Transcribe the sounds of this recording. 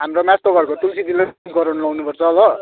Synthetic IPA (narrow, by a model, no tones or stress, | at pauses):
ɦamromast̪oɡʌɾkot̪ulsit̪ilankʌɾʌnlʌwnupʌrt͡sʰʌːbʌ